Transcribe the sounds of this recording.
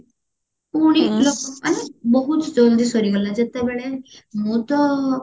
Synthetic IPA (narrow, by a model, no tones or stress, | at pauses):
uɽ̃ilokɔaɽ̃ibɔɦutd͡ʒɔnd̪ʱisɔɾiɡɔlad͡ʒet̪abɛɽ̃emut̪ɔ